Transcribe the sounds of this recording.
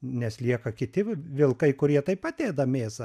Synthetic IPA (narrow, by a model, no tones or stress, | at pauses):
nʲɛslʲiɛkɐkʲɪt̪ʲɪʋʲɪlˠkɐɪkʊɾʲiɛt̪ɐɪpɑt̪ʲeːd̪ɐmʲeːsɐ